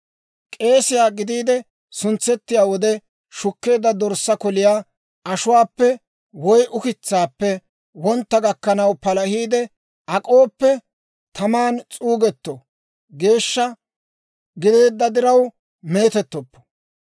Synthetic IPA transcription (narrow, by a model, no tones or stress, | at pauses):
kʼe̞ːsɪjaːɡɪd̪iːd̪ɛ | sʊnt͡sːɛt̪ːɪjaːwɔd̪ɛ | ʃʊkːe̞ːd̪ːɐd̪ɔɾsːɐkɔlɪjaː | ɐʃʊwaːpːɛ | wɔjʔʊkɪt͡sːaːpːɛ | wɔnt̪ːɐɡɐkːɐnɐwpɐlɐhiːd̪ɛ | ʔɐkʼo̞ːpːɛ | t̪ʰɐmaːnt͡sʼuːɡɛt̪ːɔ | ɡe̞ːʃːɐ | ɡɪd̪e̞ːd̪ːɐd̪ɪɾɐw | me̞ːt̪ɛt̪ːɔpːɔ̥